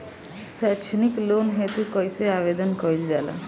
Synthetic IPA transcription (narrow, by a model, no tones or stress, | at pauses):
sɛt͡ʃʰiniklonɦet̪ukɔjseaβed̪ɔnkɔjld͡ʒala̰